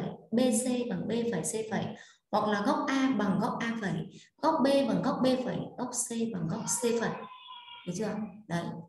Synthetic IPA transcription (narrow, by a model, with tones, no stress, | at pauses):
jɓe˧se˧ɓa˨˩ŋɓe˧fə˨˩jse˧fə̰˧˩j | hwa̰˨˩k̚laː˨˩ɣɔ˦˥wk͡p̚ʔaː˧ɓa˨˩ŋɣɔ˦˥wk͡p̚ʔaː˧fə˧˩˦j | ɣɔ˦˥k͡p̚ɓe˧ɓa˨˩ŋɣɔ˦˥wk͡p̚ɓe˧fə̰˨˩˦jɣɔ˦˥k͡p̚se˧ɓa˨˩ŋɣɔ˦˥wk͡p̚se˧fə̰˧˨˦ɗə˨˦t͡ɕɨ˧˦ə˧ŋ͡mɗə˨˦j